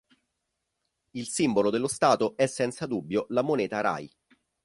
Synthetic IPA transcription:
ilsimbolod̪elːost̪aːt̪oʔɛsːɛnt̪sad̪ubːjolamoneːt̪aɾa̰j

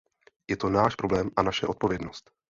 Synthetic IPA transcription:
jɛt̪o̞naːʃpɾo̞blɛːmʔanaʃɛ̰ʔo̞t̪̚po̞vjɛdno̞st̪

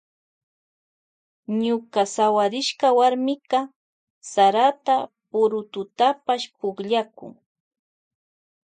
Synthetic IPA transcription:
ɲʊkasawaɾɪʃkawaɾmɪkɑ | saɾat̪apʊɾʊt̪ʊt̪apaʃpʊχʎakʊ̰ŋ

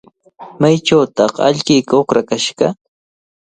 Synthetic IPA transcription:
majʈ͡ʂawt̪ɑqa̰ʎkɪjkaokɾakaʃɢɑ

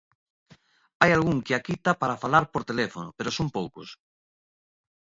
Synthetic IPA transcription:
ajalɣuŋkɪakit̪apaɾafalaɾpoɾt̪elefonopeɾosompowko̰s

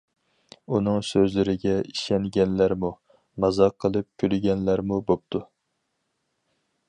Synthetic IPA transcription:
unɨŋsøzlɪɾɪɡʲɛiʃɛŋɡʲɛnlæɾmu | mɑzɑqʰːəlˠɨp̚kʲʰylɡʲɛnlæɾmubop̚t̪ʰu

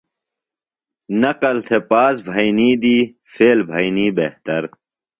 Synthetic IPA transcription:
nɐqɐlt̪ʰepaːsbʱɐjniːd̪iː | feːlbʱɐjniːbeht̪ɐɾ

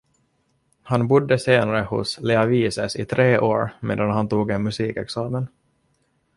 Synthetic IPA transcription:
hanbʊd̪ːəseːnaɾəhʊ̰slɛaviːsɛsɪt̪ʰɾeːʔoːɾmḛːd̪anhant̪uːɡɛnmɵsiːkɛksɑːmən

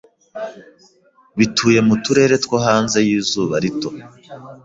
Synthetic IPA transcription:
βitʰuːje̞mutuɾe̞ːɾe̞tkwoɦaːnze̞jiːzuːβaɾito̞

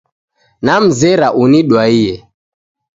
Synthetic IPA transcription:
nam̩zɛɾaʔuniɗwaijɛ

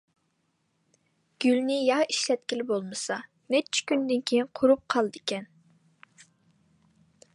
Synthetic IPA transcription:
ɡ̥ʲylnɪjɑiʃlɛt̪̚kʲilɪbolˠmɨsɑ | nɛt͡ʃʰi̥kʲynd̪ɪnkʲʰejinqʰʊɾup̚qʰɑlˠd̪ɪkʲɛn

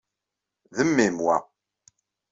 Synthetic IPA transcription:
ðəmːimwæ̰

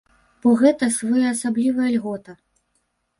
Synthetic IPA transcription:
b̥ɔɣɛt̪ɐsvɔjaːsablʲivɐjɐlʲɣɔt̪ɐ

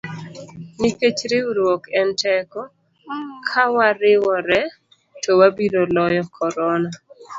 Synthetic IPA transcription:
niket͡ʃɾeuɾwokɛntɛkɔ | kʰawaɾɪwɔɾɛ | towabiɾolɔjɔkʰɔɾɔna

